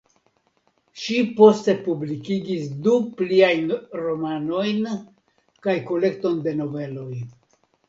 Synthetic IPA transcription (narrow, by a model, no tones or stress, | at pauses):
ʃipo̞ste̞publikiɡisdupliajnɾo̞mano̞jn | kajko̞le̞k̚to̞nde̞no̞ve̞lo̞j